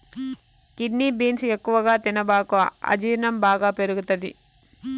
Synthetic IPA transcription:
kiɖniːbiːnsekːuʋɐɡaːt̪inɐbaːkuɐ̰d͡ʒiːɾɳɐmbaːɡaːpe̞ɾuɡut̪ɐd̪ḭ

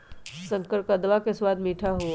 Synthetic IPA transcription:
sə̃ŋkəɾkəd̪ʋakeswaːd̪miːʈʰaɦo

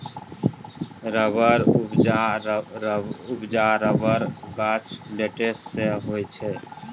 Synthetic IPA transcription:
ɾəbəɾ | ʊpd͡ʒaɾəbəɾɡat͡ʃʰleʈesseɦoɛt͡ʃʰɛ

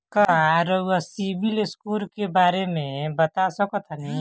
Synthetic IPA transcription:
kaɾoasibilɪskulkebaːɾemẽbət̪asɔkot̪ʰanəɦĩ

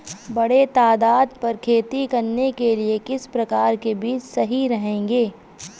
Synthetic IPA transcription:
bɐɽet̪aːd̪aːd̪̚pɐɾkʰeːt̪ikɐɾnekeliekɪspɾɐkaːɾkebiːt͡ʃsɐɦiɾɐɦẽːŋɡeː

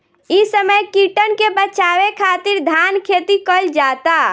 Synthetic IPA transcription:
isəməjkiʈənkebət͡ʃawekʰaːt̪ɪɾd̪ʱankʰeːt̪ikəld͡ʒat̪a

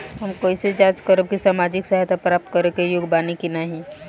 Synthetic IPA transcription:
ɦɐmkoːised͡ʒaːt͡ʃkəɾb̚kisaːmaːd͡ʒɪksɐɦt̪ʰapɾaːp̚t̪̚kɐɾekejʊɡbaːnikinaɦĩ

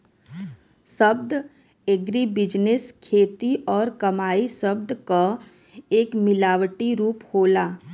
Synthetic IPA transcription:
səbd̪ | eɡɾibɪd͡ʒnɪskʰeːt̪iʔɔːɾkɐmaːisəb̚d̪ka | eːkmɪlaːwʈiɾuːphoːlaː

